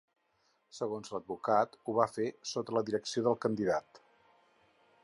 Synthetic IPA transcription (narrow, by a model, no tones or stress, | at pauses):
səɣonzləd̪̚bukat̪uβ̞afesot̪ələðiɾəksioðəlˠkənd̪iðat̪